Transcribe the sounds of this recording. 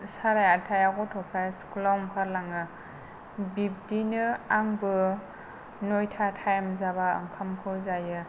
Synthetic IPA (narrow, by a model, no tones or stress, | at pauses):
saɾajatʰajaɡɔtʰɔpʰajskulamkʰaɾlaŋɯ | bib̚dinɯaŋbɯ | nojtʰatʰajmzaβaɯ̰ŋkʰamkʰɯzajɯ